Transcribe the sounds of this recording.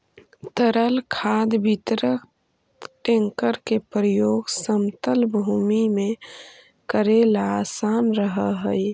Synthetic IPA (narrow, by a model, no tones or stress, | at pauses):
t̪əɾəlkʰaːd̪bit̪ɾək | ʈẽŋkəɾkepɾəjoːɡsəmt̪əlbʱuːmimẽ | kəɾelaːsaːnɾəɦəɦə